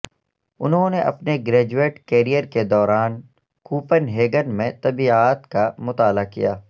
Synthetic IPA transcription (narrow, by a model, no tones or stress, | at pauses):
ʊnɦõneʔɐ̰pneɡɾɛːd͡ʒueːʈkeːɾijəɾked̪ɔːɾaːn | kuːpənɦeːɡənmẽt̪ɐbiaːt̪kamʊt̪aːlakijaː